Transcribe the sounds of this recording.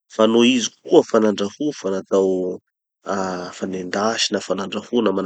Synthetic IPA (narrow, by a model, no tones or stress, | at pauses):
fanoizik̚uəfanaɳɖ͡ʐahufanat̪aw | afanend̪aʃinafanaɳɖ͡ʐafunaman